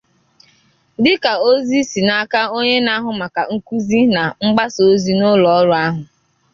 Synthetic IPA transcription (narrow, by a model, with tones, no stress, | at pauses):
dɪ˦ka˨o˦zi˦si˨na˦ka˦o˦ɲe˦na˦ɦʊ˨ma˨ka˨ŋ̩˦ku˦zi˦na˨ŋ͡m̩˦ɡ͡ba˦so˨˦zi˦nʊ˦lɔ˨ɔ˦ɾʊ˨˦a˦ɦʊ˨